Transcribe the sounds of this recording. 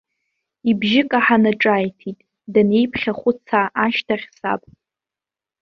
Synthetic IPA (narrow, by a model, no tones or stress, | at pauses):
ibʒɪkʼaħanaʈ͡ʂʼajtʰitʼ | dane̞jpʰχʲaχʷʊt͡sʰaʔːʃtʰaχʲsa̰pʼ